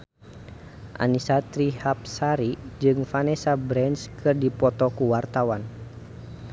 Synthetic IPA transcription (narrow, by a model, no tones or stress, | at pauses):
ʔa̰nisat̪ɾihap̚saɾid͡ʒɨŋfanɛsabɾɛnskɨrdipɔt̪ɔkuwart̪awan